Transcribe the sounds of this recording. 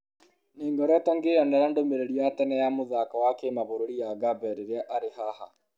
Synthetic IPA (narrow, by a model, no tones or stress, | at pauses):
neːŋɡɔɾɔtɔŋɡejɔnɛɾandomeɾeɾiatɛnɛjamoðakawakemaβoɾoɾijaɡabɛɾeɾeaʔaɾehaha̰